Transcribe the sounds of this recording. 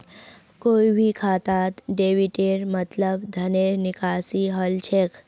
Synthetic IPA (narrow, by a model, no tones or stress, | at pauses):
kojʋʱikʰat̪at̪ɖeʋiʈeɾmət̪ləbd̪ʱəneɾnikasiɦəlt͡ɕʰek